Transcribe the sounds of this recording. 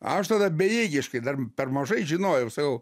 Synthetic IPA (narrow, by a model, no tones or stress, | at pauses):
ɐʃt̪ɐd̪ɐbʲɛjiːɡʲɪʃkɐɪd̪ɐrpʲɛrmɐʒɐɪʒʲɪnoːjɛʊsɐkɐʊ